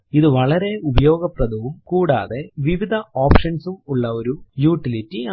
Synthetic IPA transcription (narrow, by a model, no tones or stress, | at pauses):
iðɨʋɐɭɐɾe̞ubɐjo̞ːɡɐprɐd̪uʋumkuːɽa̰ːðe̞ʋiʋid̪ʱɐoːpʂɐnsumuɭːɐoɾujuːʈːilitːi